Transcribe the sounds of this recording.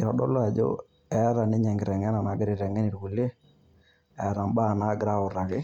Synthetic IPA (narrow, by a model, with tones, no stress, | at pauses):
ɪ˨ɾɔ˨ɗɔ̰˦la˨d͡ʒo̰˦ | ɛ˦ða˨nɪ˦ɲɛ˨ŋɡɪ˨ɾɛ˨ŋɛ˦na˨na˨ɡɪ˦ɾɪ˨ɾɛ˨ŋɛ˦nɪ˨ɾɡu˨le˦ | ɛ˨˦ða˨mba˦˨na˨˦ɡɪ˦ɾa˦ʊ˨ɾa˨kɪ˦